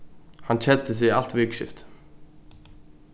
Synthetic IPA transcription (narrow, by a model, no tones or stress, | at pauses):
hant͡ɕʰɛt̪ːɪs̬ɪɣal̥t̪vɪkʃɪ̰ft̪